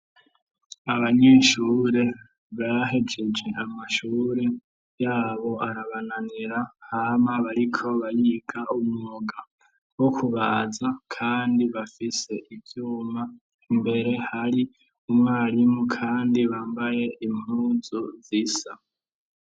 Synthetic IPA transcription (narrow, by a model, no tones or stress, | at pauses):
aβaɲe̞ːʃuːɾe̞ | βaːɦed͡ʒe̞d͡ʒe̞ʔamaʃuːɾe̞ | jaːβo̞aɾaβananiɾahamaβaɾikʰo̞βajiːɡaumuŋoɡa | wo̞kʰuβaːzakʰaːndiβafise̞ʔivjuːma | mbe̞ɾe̞haɾi | umŋaːɾimukʰaːndiβaːmbaje̞im̥uːzuzisa